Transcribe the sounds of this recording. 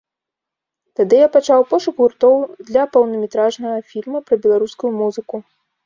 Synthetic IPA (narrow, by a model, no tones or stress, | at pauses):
t̪ad̪ɨjapat͡ʂawpɔʂukɣurt̪ɔwd̪lʲɐpɐwnɐmʲɛt̪ɾaʐnɐɣɐfʲilʲmɐpɾɐbʲɛlˠaɾuskujumuzɨku